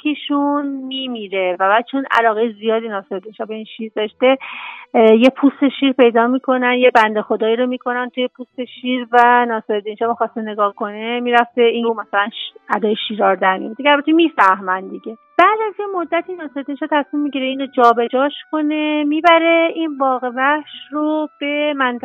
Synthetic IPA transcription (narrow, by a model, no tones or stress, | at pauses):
kʰiʃunmiːmiːɾe̞væbæːd̪̥̚t͡ʃʰo̞næ̰lɒːɣejzijɒːd̪inɒːseɾed̪inʃɒbe̞inʃiːɾd̪ɒʃt̪e̞ | jepʰust̪e̞ʃiːɾpe̞jd̪ɒːmiːkʰo̞nænjebænd̪e̞xo̞d̪ɒːjiːɾo̞miːkʰo̞nænt̪ʰuje̞pʰuːst̪e̞ʃiːɾvænɒːseɾed̪inʃɒːmixɒːst̪ene̞ɡɒːhkʰo̞nemiɾæft̪e̞iumæsælænæd̪ɒːjeʃiːɾɒːɾd̪æɾmḭd̪ekʰælbæt̪ʰemifæhmænd̪iɟe̞b̥æːd̪æzt̪ʰjemo̞d̪ːæt̪ʰinɒːseɾed̪inʃɒːt̪ʰæsmimːiɡɟiɾeiːnod͡ʒɒːbe̞d͡ʒɒːʃkʰo̞ne̞miːbæɾe̞ʔinbɒːɣe̞væhʃrob̥e̞mænt̪